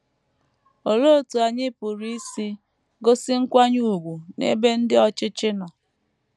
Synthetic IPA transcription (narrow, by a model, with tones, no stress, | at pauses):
o˨lo˦o˨tu˨a˨ɲɪ˦pʊ˨ɾi˦i˦si˦ | ɡo˦sɪ˦ŋ̩˦kʷa˦ɲu˨u˨ɡʷu˨nḛ˦be˦n̩˦dɪ˦ɔ˦t͡ʃɪ˦t͡ʃɪ˦nɔ˨